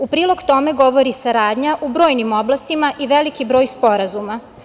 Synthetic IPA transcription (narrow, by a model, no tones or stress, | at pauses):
upɾiːlˠoɡt̪o̞me̞ɡo̞ʋo̞ɾisaɾaːd̪ɲaʔubɾoːjnimo̞blˠast̪imaʔiʋe̞likibɾo̞ːjspo̞ɾazuma